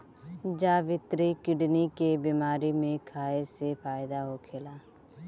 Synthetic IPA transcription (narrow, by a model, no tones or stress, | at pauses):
d͡ʒaːʋɪt̪ɾiːkɪɖniːkeːbiːmaːɾiːmẽːkʰaːeːseːpʰaːjɪd̪aːɦoːkʰeːlaː